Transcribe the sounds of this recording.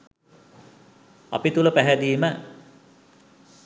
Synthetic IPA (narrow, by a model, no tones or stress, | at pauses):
a̰pit̪uləpæɦæd̪iːmə